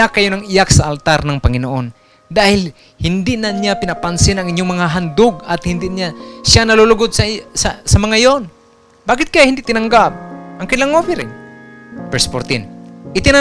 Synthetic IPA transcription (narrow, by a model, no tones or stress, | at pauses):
akajonaŋɪjaksɐʔalt̪aɾnɐŋpɐŋɪnoʔon | d̪aːhɪl | hɪnd̪ɪnanjapɪnɐpansɪnɐŋɪɲjoŋmɐŋaɦand̪ʊɡɐt̪hɪnd̪ɪʔɲasanɐlolʊɡod̪̚sɐsasɐmɐŋajon | baːkɪt̪̚kajahɪnd̪ɪʔt̪ɪnaŋɡap̚ɐŋkɪnlaŋofɪɾɪŋ | pɛɹspoɾt̪ɪnʔɪt̪ɪna